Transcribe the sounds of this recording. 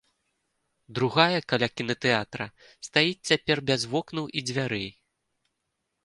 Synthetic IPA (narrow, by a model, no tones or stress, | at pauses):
d̪ɾuɣajɐkalʲakʲinɐt̪ɛat̪ɾɐ | st̪ajit͡sʲt͡sʲapʲɛrbʲazvɔknuwʔid͡zʲvʲaɾɛj